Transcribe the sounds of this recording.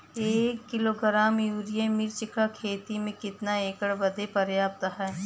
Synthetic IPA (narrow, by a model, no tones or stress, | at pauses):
eːkːɪloɡɾaːmjuːɾijemiɾt͡ʃɪkakʰeːt̪imẽkɪt̪naeːkəɽbɐd̪epɐɾjaːp̚t̪aɦɛː